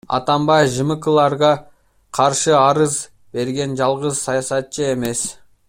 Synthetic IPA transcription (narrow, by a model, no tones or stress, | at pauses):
ɑ̰t̪ɑmbɑjfʒəməkəlˠɑɾʁɑ | qʰɑɾʃəɑɾəz | be̞ɾɡʲe̞nʒɑlˠʁəzsɑjɑsɑt̪t͡ʃəe̞me̞s